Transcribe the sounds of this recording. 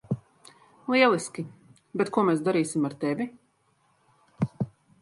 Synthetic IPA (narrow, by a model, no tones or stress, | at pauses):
lˠiɛlˠiskʲi | bɛt̪kuɔmɛːsd̪aɾiːsimaɾt̪ɛvʲi